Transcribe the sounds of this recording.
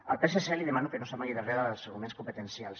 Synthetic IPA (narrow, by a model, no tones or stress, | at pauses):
əlˠpeseseliðemanukənosamajðəreðəðəlˠsəɾɣumẽnskumpət̪ənsialˠs